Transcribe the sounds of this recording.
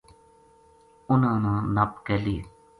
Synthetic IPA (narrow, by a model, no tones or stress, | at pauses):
ʊnãːnãːnəpkeliː